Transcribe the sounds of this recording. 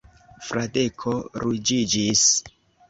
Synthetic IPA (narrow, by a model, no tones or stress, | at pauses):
fɾadekʰoɾud͡ʒid͡ʒis